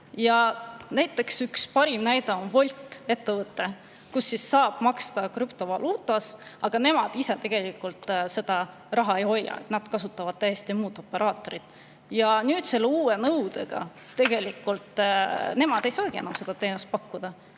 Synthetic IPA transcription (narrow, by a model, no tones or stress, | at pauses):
jɑnæjt̪ːˑe̞ksykspɑɾimnæjd̪ɑonvo̞lʲt̪ːˑe̞t̪ːevɤt̪ːe̞ | kusːisːɑːb̥mɑkst̪ɑkɾypt̪o̞vɑluːt̪ːˑɑsɑɡ̥ɑne̞mɑd̪̥iset̪e̞ɡ̥e̞likult̪ˑse̞d̪̥ɑ | rɑɦɑe̞jho̞jːɑ̰ḛt̪nɑd̪kɑsut̪ːˑɑvɑd̪̥̚t̪ːæjest̪imuːd̪o̞pːe̞ɾʔɑːt̪ˑo̞ɾit̪ | jɑnyːd̪̥se̞lːeuːenɤwd̪̥e̞ɡ̥ɑ̰ | t̪e̞ɡ̥e̞likːult̪ne̞mɑd̪̥e̞jsɑːɡ̥ie̞̰nɑmse̞d̪ɑt̪e̞ːnust̪̚pɑkːud̪̥ɑ